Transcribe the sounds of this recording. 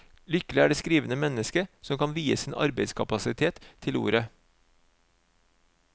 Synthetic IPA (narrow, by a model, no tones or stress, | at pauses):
lʏkəlɪæːɖeːskɾiːʋənəmɛnəskəsɔmkɑnʋiːəsiːnʔɑ̰ɾbeɪskʰɑpɑsɪt̪ʰeːt̪ʰːɪlṵːɾə